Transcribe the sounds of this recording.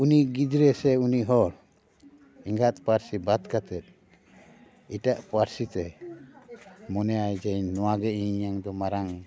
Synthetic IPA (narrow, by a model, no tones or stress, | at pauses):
uniɡid͡ʒɾɛsɛuniɦɔɾ | iŋɡat̪̚paɾsibad̪kat̪ɛt̪̚ | iʈaʔpaɾsit̪ɛ | mɔnɛajd͡ʒɛjnɔwaɡɛĩaŋd̪ɔmaɾaŋ